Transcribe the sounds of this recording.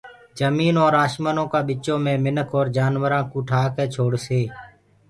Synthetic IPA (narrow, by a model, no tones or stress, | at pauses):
d͡ʒəmiːnõːɾaːʃmənõːkãːɓɪt͡ʃõːmẽːmɪnəkʰoːɾd͡ʒaːnʋəɾãːkuːʈʰaːkẽːt͡ʃʰoːɽseː